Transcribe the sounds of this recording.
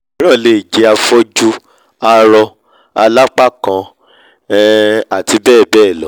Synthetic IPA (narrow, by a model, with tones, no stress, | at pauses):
ɾ̃ã˦˨le˨d͡ʒe˧a˧fo˦d͡ʒu˦ | a˧ɾɔ˧ | a˧la˦k͡pa˦kã˨˧˦ | a˨ti˧bɛː˦˨bɛː˦˨lɔ˨˦